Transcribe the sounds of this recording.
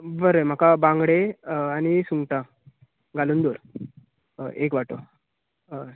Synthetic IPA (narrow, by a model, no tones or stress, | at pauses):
bəɾəm̤akabãŋɡɽeañisuŋɡʈã | ɡʱaluːnd̪oɾ | ʔekʋaʈo